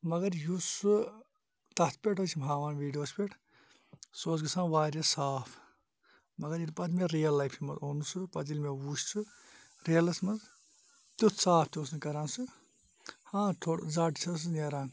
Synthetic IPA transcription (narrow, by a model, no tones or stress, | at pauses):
mɐɡɐɾjusu | t̪ɐt̪̚ʰpʲeʈʰɦot͡ʃʰimbʱaːʋaːnʋiːɖijoːspʲeʈʰ | soːt͡sɡisãːʋaːɾɐsaːpʰ | mɐɡɐɾiɾpɐt̪meɾijɐlːɐjpʰimɐ̰zoːnusupɐt̪ilmewust͡sʰu | ɾeɐlɐsmɐz | t̪ut̪ʰsaːpʰt̪ʲoːsnkɐɾaːnsʰu | hãːt̪ʰoɽd͡zaːʈi̥t͡sʰɐs̬ɨneːɾaːn